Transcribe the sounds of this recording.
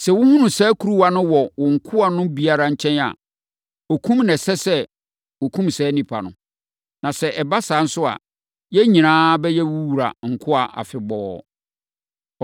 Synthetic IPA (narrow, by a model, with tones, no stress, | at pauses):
sɛ˨wʊ˦hũ˦nũ˨sɛː˦kʰu˨ɾu˦wa˨nʊ̃˦wɔ˨wʊ̃˨ŋ̩˨kʰʊ˦a˨nʊ̃˦bi˨a˦ɾa˨ɲ̩˦˨t͡ɕʰɛ̃˦na̰˨ | o˨kʰũ˦mnɛ̃˨sɛ˦sɛ˦ | o˨kʰũ˦msɛː˨˦nĩ˨pʰa̰˨nʊ̰̃˨ | nã˨sɛ˨ʔɛ˨ba˦saː˨˦n̩˦sʊ˦a̰˨ | jɛ˦ɲĩ˨nãː˦bɛ˦jɛ˦wu˦wu˨ɾa̰˨ŋ̩˨kʰʊ˦a˨ʔa̰˨fɪ˨bɔː˨˦